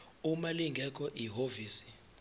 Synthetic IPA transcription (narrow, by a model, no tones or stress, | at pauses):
umaliŋɡʱɛk̬ʼɔʔiɦoviːsi̥